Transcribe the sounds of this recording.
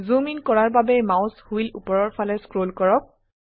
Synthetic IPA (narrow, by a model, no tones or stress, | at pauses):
zuminkɔɹaɹbabɛmaʊshuilṵpɔɹɔɹpʰalɛskɹolkɔɹɔk̚